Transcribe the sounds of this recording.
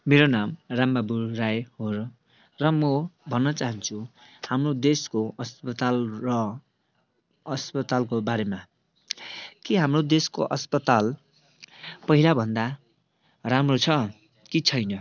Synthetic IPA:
meɾonamramːaburajɦor | rʌmʌbʱʌnːʌt͡saɦʌnt͡sʰuhamrod̪eskoʌspʌt̪alrʌ | ʌspʌt̪alkobaɾema | kiɦamrod̪esko̰ʔʌspʌt̪al | pʌɦilabʱʌnd̪a | ramrot͡sʰʌ | kit͡sʰʌjnʌ

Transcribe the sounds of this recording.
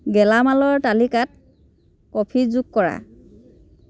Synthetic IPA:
ɡɛlamalɔɹtalikat̚ | kɔpʰizukkɔɹa̰

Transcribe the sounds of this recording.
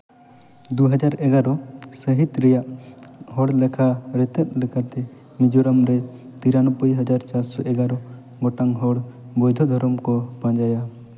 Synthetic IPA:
d̪uɦad͡ʒaɾɛɡaɾɔsəɦit̪ɾɛjaʔɦɔɽlɛkʰaɾɛt̪ɛt̪̚ˀlɛkʰat̪ɛ | mid͡ʒuɾamɾɛ | t̪iɾanɔpəjɦad͡ʒaɾt͡ʃaɾsɔʔɛɡaɾɔ | ɡɔʈaŋɦɔɽ | bɔjd̪ʱɔd̪ʱɔɾɔmkɔbãd͡ʒaja

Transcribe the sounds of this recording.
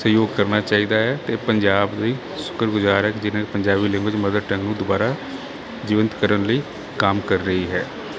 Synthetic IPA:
səjoːɡ̚kəɾnaːt͡ʃaːiːd̪aːɦɛːt̪eːpəɲd͡ʒaːbd̪əiː | sʊ̥kəɾɡʊzaːɾɦɛːkɪd͡ʒɪñːpəɲd͡ʒaːbiːlɪ̃ŋɡwəd͡ʒməd̪əd̪ʈəŋɡnũːd̪ʊbaːɾaː | d͡ʒɪːʋə̃nt̪kəɾənləiː | kamkəɾːəɦiːɦɛː

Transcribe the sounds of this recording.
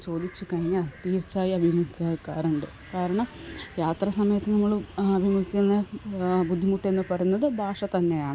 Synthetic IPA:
t͡ɕo̞ːd̪it͡ɕːɨkɐɻiŋːaːɭt̪iːrt͡ɕːaːjiɐbʱimuikʲːɐkːaːɾuɳɖɨ | kaːɾɐɳɐmjaːt̪rɐsɐmɐjɐt̪ːenɐmːɐɭɐbʱimuɡikʲːunːɐbud̪ʱːimuʈːe̞nːɨpɐrɐjunːɐðɨbʱaːʂɐt̪ɐnːe̞jaːɳɨ

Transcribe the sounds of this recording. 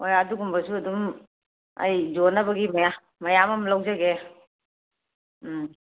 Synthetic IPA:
hojɐduɡumbɐsuɐdum | ɐ̰jd͡ʒonɐbɐɡimɐja | mɐjamɐmlɐwzaɡe

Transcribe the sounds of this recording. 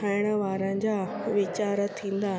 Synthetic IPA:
aːɪɽ̃əʋaːɾə̃d͡ʑaː | ʋɪt͡ɕaːɾət̪ʰĩːn̆d̪a

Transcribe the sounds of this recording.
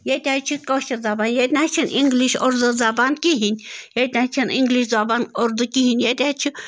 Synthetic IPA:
jet̪ʲat͡ʃʰukoʃɐd͡zabanjet̪ʲnʲat͡ʃʰinʔiŋɡliʃo̰ɾd̪ɨzabankiɦinʲjet̪ʲnʲãt͡ʃʰiniŋɡliʃd͡zabanoɾd̪ukiɦinʲjet̪ʲat͡ʃʰu

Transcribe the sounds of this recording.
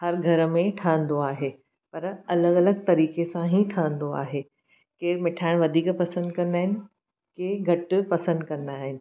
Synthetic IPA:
hɐɾɡʱɐɾmẽʈʰaːə̃nd̪oaːɦeː | pɐɾɐləɡɐləɡt̪ɐɾiːkesãɦĩʈʰaːə̃n̆d̪oa̰ːɦeː | keːɾmɪʈʰaːɪɽ̃ʋɐd̪ʱiːkpɐsə̃nd̪kɐ̃nd̪aːɦɪnɪ̆ | keːɡʱɐʈ̆pɐsə̃nd̪kɐ̃nd̪aːɦɪnɪ̆

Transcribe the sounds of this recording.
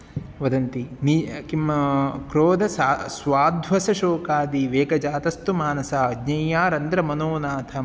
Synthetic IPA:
ʋɐd̪ɐnt̪inikimkɾoːd̪ɐssʋaːd̪ʱʋɐsɐʃoːkaːd̪iʋeːkɐd͡ʒaːt̪ɐst̪umaːnɐsaɐɡɲɐjːaːɾɐnd̪ɾɐmɐnoːnaːt̪ʰɐ

